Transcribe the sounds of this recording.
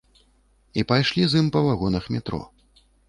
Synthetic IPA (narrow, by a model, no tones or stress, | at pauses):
ipajʂlʲizɨmpɐvaɣɔnɐxmʲɛt̪ɾɔ̰